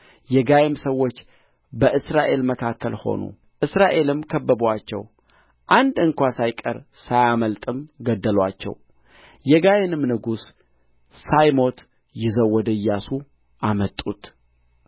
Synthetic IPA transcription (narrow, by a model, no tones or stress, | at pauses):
jɛɡajemsəwːo̞t͡ʃː | bəʔɨsɾaʔe̞lməkʰakʰːəlho̞̰nṵ | ʔɨsɾaʔe̞lɨmkʰəbːəbwat͡ʃːɛ̰w | ʔand̪ɨŋkʷasajkʼə̰ɾ | sajaməlt̪ʼɨmɡəd̪ːəlwat͡ʃːɛ̰w | jɛɡajenɨmnɨɡusː | ajmo̞t̪ | jɪzəwːɔd̪əjːasu | ʔamət̪ʼːut̪